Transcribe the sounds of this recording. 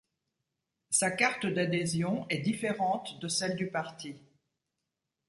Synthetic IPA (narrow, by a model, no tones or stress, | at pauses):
sakaʁt̪əd̪ad̪ezjɔ̃ɛd̪ifeʁɑ̃t̪d̪əsɛld̪ypaʁt̪i